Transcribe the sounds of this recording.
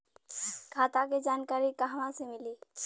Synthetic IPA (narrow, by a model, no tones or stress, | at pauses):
kʰaːt̪aked͡ʒaːnkaːɾikaɦʋãsemɪliː